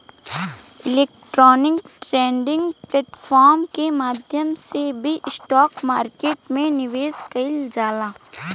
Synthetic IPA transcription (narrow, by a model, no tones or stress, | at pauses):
ɪleːkʈɾɔːnɪkʈɾɛ̃ːɳɖɪ̃ŋɡpleːʈfʰɔːɾmkemaːd̪ʱjəmsebʱiʔɪsʈɔːkmaːɾkeːʈmẽnɪʋeːskɐɪld͡ʒaːlaː